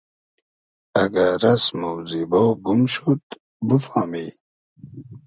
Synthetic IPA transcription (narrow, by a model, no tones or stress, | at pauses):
ɐɡaɾɐsmɐwzibɐwɡumɕut̪ | bufaːmi